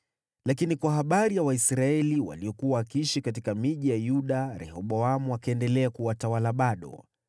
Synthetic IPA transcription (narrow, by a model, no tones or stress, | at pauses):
lakinikwaɦaɓaɾijawaisɾaɛliwa̰liɔkuwawakiiʃikat̬ikamiʄijajuɗaɾɛ̰hɔɓɔamuakaɛndɛlɛakuwatawalaɓaɗɔ̰